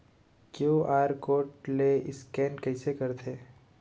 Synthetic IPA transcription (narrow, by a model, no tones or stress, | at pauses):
kjuːʔaːjəɾkoːʈleʔɪskɛːnkəɪsekɐɾt̪ʰeː